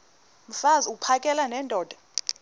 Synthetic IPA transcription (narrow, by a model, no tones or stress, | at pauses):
m̩fazupʰakʼɛlanɛndʱɔːd̥ʱḁ